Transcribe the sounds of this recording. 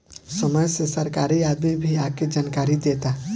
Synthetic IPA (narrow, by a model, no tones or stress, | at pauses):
səməjsesəɾkaːɾiaːd̪mibʱiaːked͡ʒaːnkaːɾid̪eːt̪a